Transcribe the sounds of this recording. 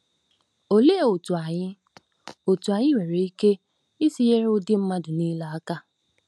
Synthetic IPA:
o˨le˦e˨o˨tu˨a˨ɲɪ˦ | o˨tu˨a˨ɲɪ˦we˨ɾe˨i˦ke˦ | i˦si˦je˦ɾʊ˦dɪ˦m̩˦ma˦dʊ˨niː˦la˦a˦ka˦

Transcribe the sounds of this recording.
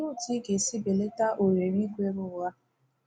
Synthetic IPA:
ŋʊ˦˨ti˦ɡe˨si˦be˨le˦ta˦ʔo˨ɾe˨ɾi˦ɡʷe˦ɾʊ˦˨wa˦

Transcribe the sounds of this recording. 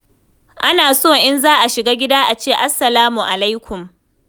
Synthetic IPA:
ʔa˦naː˨soː˦˨ʔɪ˦nzaː˦ʔa˨ʃɪ˨ɡaː˦ɡʲɪ˦daː˦ʔa˨t͡ʃeː˦˨ʔa˦sːɐ˨laː˦mu˨ʔa˨la˦jkʷʰʊ˨m

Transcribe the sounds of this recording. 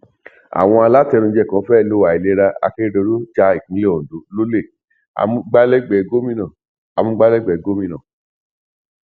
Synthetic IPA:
a̰˨w̃ɔ̃˧a˧la˦tɛ˧ɾũ˧d͡ʒɛ˦˨kã˨˦fɛ˦˧˨lo˦wa˨i˨le˦ɾa˧a̰˧ke˦do˧ɾu˦d͡ʒa˧i˨k̩˨˦le˦o˨du˨˦lo˦le˦˨ | a̰˨˧mũ˧˦ɡ͡ba˦lɛ˦ɡ͡bɛ˨ɡo˦mĩ˦nã˨ | a˧mũ˦ɡ͡ba˦lɛ˦ɡ͡bɛ˨ɡo˦mĩ˧nã˨

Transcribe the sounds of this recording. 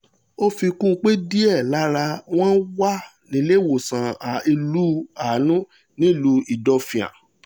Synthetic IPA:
o˦fi˧kũ˦˧k͡pe˦di˦ɛ˦˨la˨˦ɾa˧w̃ɔ̃˦n̩˦wa˦ | nĩ˨˦le˦˨wo˨sã˨a˨i˧lu˦aː˨˦nũ˦ | nĩ˦˨lu˧i˨dɔ˧fĩ˨ã̰˨

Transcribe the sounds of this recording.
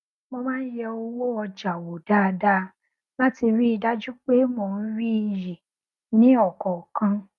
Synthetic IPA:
mõ˧mãː˦n̩˦jɛ˧o˧wo˦ɔ˧d͡ʒa˨wo˨d̥a˦˧da˦˧ | la˦ti˧ɾi˦i˧da˦d͡ʒu˦k͡pe˦mõ˧n̩˦ɾi˦i˧ji˨ | nĩ˨˦ɔ˦˨kɔ˨kã˧

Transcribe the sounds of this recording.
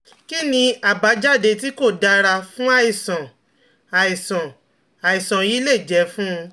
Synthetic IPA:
ki˦nĩ˧a˨ba˨˦d͡ʒa˦˨de˧t̬i˦ko˦˨da˧ɾa˧fũ˦a˦i˨sɔ̃˨ | a˨i˨sɔ̃˨ | a˨i˨sɔ̃˨ji˨˦le˦˨d͡ʒɛ˨˦fũ˦˧

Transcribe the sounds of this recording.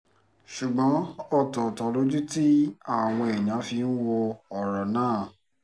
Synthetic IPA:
ʃu˨ɡ͡bɔ̃˨˦ɔ˦˨tɔ˨tɔ˨˦lo˦d͡ʒu˦ti˦a˦˨w̃ɔ̃˧ɛ˨j̃ã˨˦fi˧n̩˦wo˧ɔ˨ɾɔ˨nãː˦˨

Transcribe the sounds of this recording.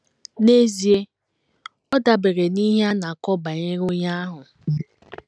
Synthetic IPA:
ne˦zi˨e˦ | ɔ˦da˨be˨ɾe˨ni˦ɦa˦na˨kɔ˦ba˨ɲe˦ɾʊ˦ɲa˦a˦ɦʊ˨

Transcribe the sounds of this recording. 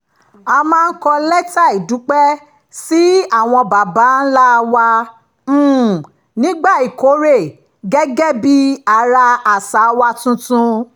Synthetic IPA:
a˧mãː˦˧n̩˦kɔ˧lɛ˦ta˦˨i˨du˨˦k͡pɛ˦ | si˦a˦˨w̃ɔ̃˧ba˨ba˨˦n̩˦la˦˧wã˧˦˨ | nĩ˦ɡ͡ba˦˨i˨ko˨˦ɾe˦˨ | ɡɛ˦ɡɛ˦bi˦a˧ɾa˧a˨sa˨˦wa˧tũ˧tũ˧

